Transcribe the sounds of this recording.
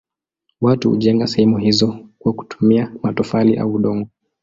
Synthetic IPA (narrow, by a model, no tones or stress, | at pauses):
watṵhṵʄɛŋɡasɛhɛmuɦizɔkwaku̥tʰu̥miamatɔfaliʔa̰uːɗɔŋɡɔ